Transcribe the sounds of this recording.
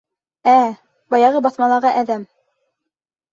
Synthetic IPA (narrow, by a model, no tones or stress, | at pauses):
æ | bɑjɑʁɤbɑθmɑlˠɑɾʁɑʔæðæm